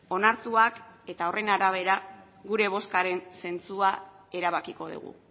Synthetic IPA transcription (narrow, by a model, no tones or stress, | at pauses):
o̞naɾt̪uake̞t̪ao̞re̞naɾaβ̞e̞ɾa | ɣuɾe̞β̞o̞skaɾe̞nse̞nt͡sua | e̞ɾaβ̞akiko̞ð̞ṵɣ̞ṵ